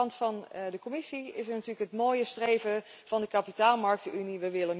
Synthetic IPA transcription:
ɑntfɑndəkɔmɪsiɪsəɹnɑtyːləkɦətmoːjəstrejvəv̥ɑndəkapitaːlˠmɑɹk̚tyniʋəʋɪlənm

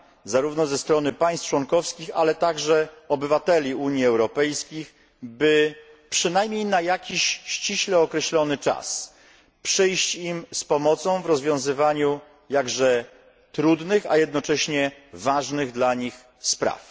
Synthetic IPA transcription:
zaɾuvnɔzɛst̪ɾɔnɘpaj̃st͡ʂwɔŋkɔfskʲixalɛt̪aɡʐɛɔbɘvat̪ɛlʲiuɲjiɛwɾɔpɛjskʲix | bɘ | pʂɘnajmɲejnajakʲiɕɕt͡ɕiɕlɛɔkɾɛɕlɔnɘt͡ʂa̰s | pʂɛjɕt͡ɕimspɔmɔt̪sɔ̃w̃vɾɔzvʲjɔ̃w̃zɘvaɲu | jaɡʐɛ | t̪ɾud̪nɘxa̰jɛd̪̚nɔt͡ʂɛɕɲɛvaʐnɘɣd̪laɲix | spɾa̰f

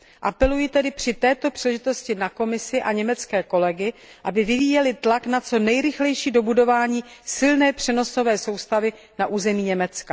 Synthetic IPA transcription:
ʔapɛlujɪt̪ɛdɪpr̥ɪt̪ɛːt̪opr̥iːlɛʒɪt̪o̞scɪnako̞mɪsɪʔaɲɛmɛt͡skɛːko̞lɛɡɪʔabɪvɪviːjɛlɪt̪laknat͡so̞nɛjɾɪxlɛjʃiːdo̞budo̞vaːɲiːsɪlnɛːpr̝̥ɛno̞so̞vɛːso̞wst̪avɪ | naʔuːzɛmiːɲɛmɛt͡ska

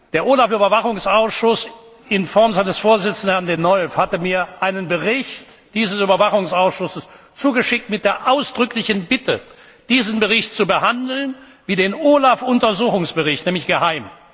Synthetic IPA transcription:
d̥eːɐʔoːlafyːbɐvaχʊŋsaʊsʃʊs | ɪnfɔɐmzaɪnəsfoːɐzɪt͡sn̩dhɛɐndenɔlfhatəmiːɐʔaɪnənbəʁɪçtd̥iːzəsyːbɐvaχʊŋsaʊsʃʊsəs | t͡suːɡəʃɪk̚tmɪt̚d̥eːɐʔaʊsd̥ʁʏklɪçn̩bɪtə | d̥iːznbəʁɪçtt͡subəhandl̩n | viːdeːnʔoːlafʊntɐzuːxʊŋsb̥əʁɪçtnɛːmlɪçɡ̥əhaɪm

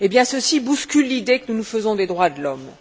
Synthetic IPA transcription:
ebjɛ̃səsibuskʲylːid̪ekənunufəzɔ̃d̪ed̪ʁwad̪əlɔm

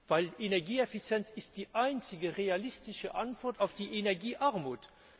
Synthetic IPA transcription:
v̥aɪlʔenɛɐɡiːɛfit͡sjɛnt͡sɪst̚d̥iːʔaɪnt͡sɪɡəʁealɪstɪʃəʔantv̥ɔɐtaʊfd̥iːʔenɛɐɡiːʔaɐmuːt

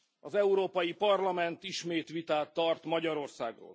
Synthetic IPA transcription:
ɒzɛuɾoːpɒjipɒrlɒmɛnt̪iʃmeːt̪ʋit̪aːt̪ːɒrt̪mɒɟɒɾo̞rsa̰ːɡro̰ːl

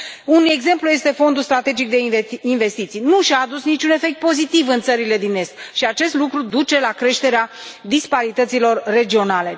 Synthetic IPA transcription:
une̞ɡze̞mpluje̞st̪e̞fo̞nd̪ulst̪ɾat̪e̞d͡ʒik̚d̪e̞inve̞st̪it̪sijnuʃaːd̪usnit͡ʃʲune̞fe̞k̚t̪̚po̞zit̪ivɨnt̪səɾile̞d̪ine̞st̪̚ʃiat͡ʃe̞st̪lukɾud̪ut͡ʃe̞lakɾe̞ʃt̪e̞ɾead̪ispaɾit̪ət̪silo̞rːe̞d͡ʒio̞nale̞

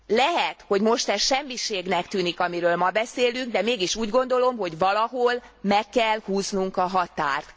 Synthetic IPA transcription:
lɛɦɛt̪ho̞ɟmo̞ʃt̪ɛʃɛmːiʃeːɡnɛkt̪yːnikɒmiɾøːlmɒbɛseːlyŋɡ̚d̪ɛmeːɡiʃuːɟɡo̞nd̪o̞lo̞mɦo̞ɟvɒlɒɦolmɛkːɛlhuːznuŋkɒɦɒt̪a̰ːrt̪

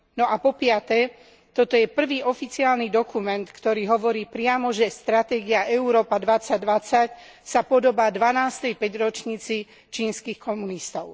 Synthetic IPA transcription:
nɔʔapɔpɪat̪ɛ | t̪ɔt̪ɔjɛpr̩ʋiːʔɔfit͡siaːlnid̪ɔkumɛnt̪kt̪ɔɾiːɦɔʋɔɾiːpɾɪamɔʒɛst̪ɾat̪ɛːɡiaʔɛuɾɔːpad̪ʋat͡saɟ̚d̪ʋat͡sac | sapɔd̪ɔbaːd̪ʋanaːst̪ɛjpɛɟɾɔt͡ʃɲiːt͡si | t͡ʃiːnskiːxkɔmunist̪ɔʊ

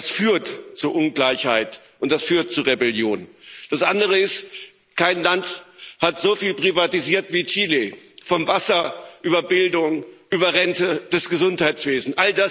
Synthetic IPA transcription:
asfyːɐtt͡suːɐʔʊnɡlaɪçhaɪt | ʔʊnt̚d̥asfyːɐt̚t͡suːʁebɛljoːnd̥asʔandəʁ̞əɪst | kaɪnlanthatz̥ofiːlpʁ̥ivatiziːɐtv̥iːt͡ʃiːlefɔmvasɐʔyːbɐbɪldʊŋʔyːbɐʁɛntəd̥ɛsɡ̥əzʊnthaɪt͡sv̥eːzn̩ʔaldas

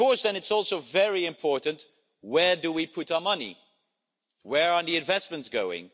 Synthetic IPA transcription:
ɔɹsðɨ̃nɨtsɔˑlˠsoʊvɛɹiɪ̃mpʰɔɹʔn̩ʔ | wədəwipʰʊɾaəmʌnḭ | wəɹəðiɨ̃ɱvɛsmə̃ntsɡ̥oʊɪ̰̃ŋ

